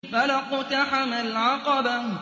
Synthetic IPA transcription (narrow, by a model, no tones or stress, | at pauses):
falaqʊt̪aħamalʕɑqɑba